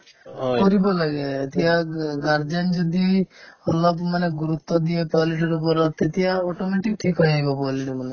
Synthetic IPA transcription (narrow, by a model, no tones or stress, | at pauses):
kɔɾibɔlaɡet̪iaɡaɾd͡ʒand͡ʒɔd̪iɔlːɔpmaneɡuɾut̪ːɔd̪iepɔliʈɔɾupɔɾɔt̪et̪ijaɔʈɔmeʈik̚ʈʰikɦɔjajbɔpɔleʈɔmane